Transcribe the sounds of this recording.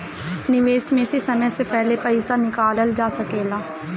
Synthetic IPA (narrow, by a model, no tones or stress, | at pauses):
nɪʋeːsmẽsesəməsepɛɦlepəɪsanɪkaːləld͡ʒaːsəkeːlaː